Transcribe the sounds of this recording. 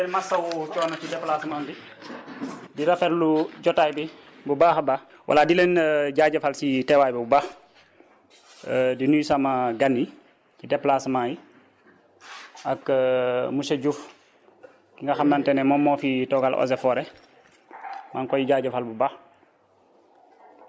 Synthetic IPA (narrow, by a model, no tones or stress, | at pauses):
ɛlmasɐwut͡ʃɔːnat͡ʃidɛplasmanbi | diɾafɛɾluɟɔtaːjbi | bubaːxba | wʔa̰ladilenɟaːɟafalsitɛwajbɛbubax | dinujsamaɡanːi | cidɛplasmaji | ʔakːmuseɟuf | kiŋɡaxamnantɛnɛmɔmːɔfitɔɡalʔɔ̰sɛfɔːɾɛ | maŋkɔjiɟaːɟafalbubaːx